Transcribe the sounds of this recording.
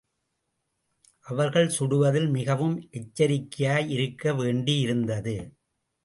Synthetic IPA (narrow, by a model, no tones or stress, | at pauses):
ʔɐʋɐɾɣɐɭsʊɽɯʋɐðɪlmɪɣɐʋɯmʔɛt͡ʃːɐɾɪkːɪjaːjɪɾɯkːɐʋeːɳɖijɪɾɯnd̪ɐðɯ